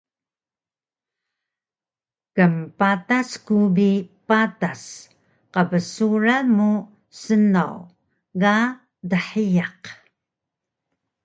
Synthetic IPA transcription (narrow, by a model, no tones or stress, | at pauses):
kəmpataskubipatas | qəvəsuɾamu | sənaw | ɣa | dəħijaq